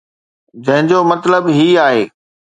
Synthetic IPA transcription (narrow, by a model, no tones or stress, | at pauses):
d͡ʑɐ̃ɦɪ̃ɲd͡ʑomɐt̪ləbɦiaːɦḛː